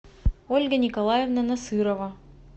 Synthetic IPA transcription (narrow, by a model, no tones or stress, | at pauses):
olʲɡənʲikolˠɑjevnanasɨɾova